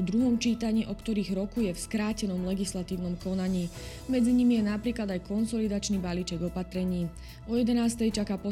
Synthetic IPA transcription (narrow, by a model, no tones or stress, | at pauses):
d̪ɾuɦɔmt͡ʃiːt̪aɲiːʔɔkt̪ɔɾiːɣɾɔkujɛfskɾaːcɛnɔmlɛɡislat̪iːʊnɔmkɔnaɲiː | mɛd͡ziɲimijɛnapɾiːklad̪ajkɔnsɔlid̪at͡ʃnibaliːt͡ʃɛɡɔpat̪ɾɛɲiː | ɔjɛd̪ɛnaːst̪ɛjt͡ʃakaːpɔ